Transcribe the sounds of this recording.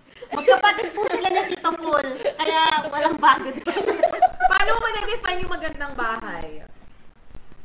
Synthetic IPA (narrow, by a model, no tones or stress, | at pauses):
mɐɡ̚papɐt̪ɪd̪̚pʊnɪlanɐt̪ɪt̪omkolkɐjawɐlaŋbaːɡɐd̪ | paːnomɐnɐd̪ɪfajnjʊŋmɐɡɐnd̪ɐŋbaːɦɐj